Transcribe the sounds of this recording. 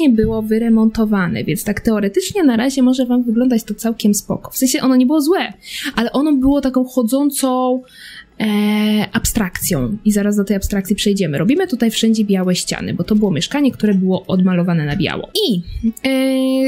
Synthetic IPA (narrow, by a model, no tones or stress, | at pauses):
ɲɛbɘwɔvɘɾɛmɔnt̪ɔvanɛ̰vʲjɛ̰nst̪akt̪ɛɔɾɛt̪ɘt͡ʂɲɛnaɾaʑɛmɔʐɛvamvɘɡlɔnd̪at͡ɕt̪ɔt̪sawkʲɛmspɔ̰kɔ̥fsɛ̃ɲ̃ɕɛʔɔnɔɲɛbɘwɔzwɛʔalɛʔɔnɔbɘwɔt̪akɔ̃w̃xɔd̪zɔnt̪sɔ̃ | ʔapst̪ɾakt̪sʲjɔ̰̃w̃izaɾazd̪ɔt̪ɛjapst̪ɾakt̪sʲipʂɛjd͡ʑɛmɘɾɔbʲimɘt̪ut̪ajfʂɛɲd͡ʑɛbʲjawɛɕt͡ɕa̰nɘ̰bɔt̪ɔbɘwɔmʲjɛʂkaɲɛkt̪uɾɛbɘwɔʔɔd̪malɔvanɛnabʲja̰wɔ̰i